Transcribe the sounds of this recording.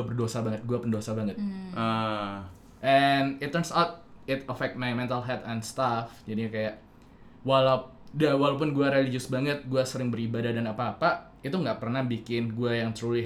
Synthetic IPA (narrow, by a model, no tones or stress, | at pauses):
abərdosabaŋət̪̚ɡuapəndosabaŋət̪̚ʔə | ʔɛnɪt̪ːərnsawt̪̚ɪt̪əfɛk̚t̪̚majmɛnt̪alɦɛt̪ɛnst̪afd͡ʒadikajaʔ | wala | dawalawp̬ʊnɡuaɾelid͡ʒʊsbaŋət̪̚ɡuasəɾɪŋbəɾibadahdanapaːpa | it̪uŋɡaʔpərnahbikɪnɡuajaŋt̪ɾulɪ